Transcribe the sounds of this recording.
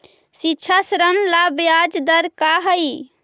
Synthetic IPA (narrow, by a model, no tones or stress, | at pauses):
sitːt͡ʃʰasɾənlabjad͡ʒd̪əɾkaɦəj